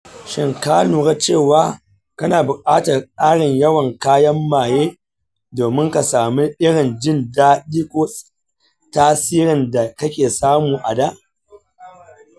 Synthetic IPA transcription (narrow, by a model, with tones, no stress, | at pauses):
ʃɪ˨ŋkaː˦nuː˨ɡa˦t͡ʃeː˦˨waː˦ | kɐ˦naː˨bʊ˨kʼaː˦tɐ˨rkʼaː˦ɽɪ˨ɲjɐ˦wɐ˨ŋkaː˦jɐ˦mːaː˨jeː˦ | doː˨mɪ˦ŋka˨saː˨mi˦ʔɪ˦ɽɪ˨nd͡ʒɪ˦˨ndaː˦ɗiː˦kʷoː˦ | taː˦siː˦ɽɪ˨nda˨kɐ˦kʲeː˨saː˦muː˨ʔa˨da˦